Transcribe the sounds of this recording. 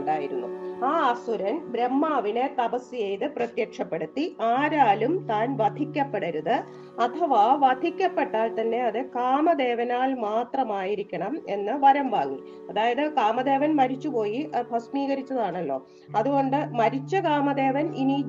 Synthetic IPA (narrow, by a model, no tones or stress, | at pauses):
ɳɖaːjiɾunːṵaːɐsuɾɐnbɾemːaːʋine̞t̪ɐpɐsːijejðɨprɐt̪jɐkʂɐpːe̞ɽut̪ːiaːɾaːlumt̪aːnʋɐd̪ʱikʲːɐpːe̞ɽɐɾuðɨ | ɐt̪ʰɐʋaʋɐd̪ʱikʲːɐpːe̞ʈːaːlt̪ɐnːe̞ɐðɨkaːmɐd̪e̞ːʋɐnaːlmaːt̪rɐmaːjiɾikʲːɐɳɐme̞nːɨʋɐɾɐmʋaːŋːi | ɐðaːjɐðɨkaːmɐd̪e̞ːʋɐnmɐɾit͡ɕːupo̞ːjibʱɐsmiːɣɐɾit͡ɕːɐðaːɳɐlːo̞̰ː | ɐðuɣo̞ɳɖɨmɐɾit͡ɕːɐkaːmɐd̪e̞ːʋɐnini